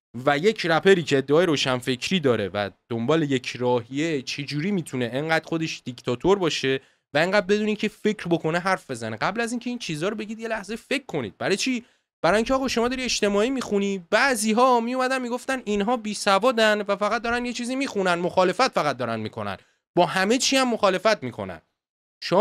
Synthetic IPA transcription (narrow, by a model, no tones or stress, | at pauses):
væje̞cʰɾæpʰeɾiːcʰeːd̪ːeɒːjeɾoːʃænfe̞cʰɾiːd̪ɒːɾe̞væ̰d̪̥ombɒːle̞je̞cʰɾɒːɦije̞t͡ʃʰe̞d͡ʒuːɾiːmiːt̪ʰuneʔeŋɢæːd̪̥xo̞d̪e̞ʃd̪̥ict̪ʰɒt̪ʰoɾbɒːʃe̞ | væeŋɢæːd̪̚be̞d̪uːnicʰefe̞cʰɾbo̞kʰo̞neɦæɾfbe̞zæneɡæblæziːŋcʰe̞iːnt͡ʃʰiːzɒːɾobe̞ɟid̪je̞læhzefe̞kʰːo̞nḭd̪̥̚bæɾɒjt͡ʃʰi | b̥æɾɒjiŋcʰeɒːɣɒʃo̞mɒːd̪ɒːɾiet͡ʃt̪e̞mɒːiːmixunibæʔziːɦɒːmijumæd̪ænmiɡo̞ft̪æninɦɒːbiːsævɒːd̪ænvæfæɣæt̪̚d̪ɒɾændjet͡ʃʰiːzimiːxunænmoxɒːle̞fæt̪fæɣæt̪̚d̪ɒːɾænmikʰo̞̰næ̰n | bɒːɦæme̞t͡ʃʰiːæmːo̞xɒːle̞fæt̪miːkʰo̞̰næ̰n | ʃo